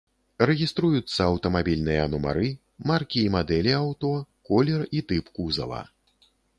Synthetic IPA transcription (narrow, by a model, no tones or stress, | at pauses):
rɛɣʲist̪ɾujut̪sːɐɐwt̪ɐmabʲilʲnɨjɐːnuma̰ɾɨ | markʲiːmad̪ɛlʲiawt̪ɔkɔlʲɛrit̪ɨpkuzɐ̰lˠɐ̰